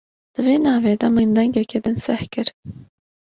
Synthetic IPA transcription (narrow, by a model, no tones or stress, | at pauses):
d̪̥ɨveːnɑːveːd̪ɛmɨnd̪ɛŋɡɛkeːd̪ɨnsɛhkɨɾ